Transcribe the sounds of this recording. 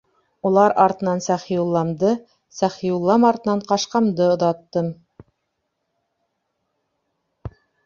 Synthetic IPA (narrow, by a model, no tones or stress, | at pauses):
ulˠɑɾɑɾt̪ɤ̆nɑnsæχijulˠːɑmd̪ɤ | sæχijulˠːɑmɑɾt̪ɤ̆nɑɴqɑʃqɑmd̪ɤŏðɑt̪ːɤm